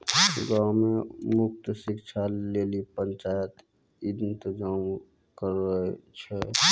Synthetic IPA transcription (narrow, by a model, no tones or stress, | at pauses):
ɡãwmemʊk̚t̪əsɪkt͡ʃʰaleːlipənt͡ʃaːjət̪ | ɪnt̪əd͡ʒaːm | kəɾːəɦet͡ʃʰɛ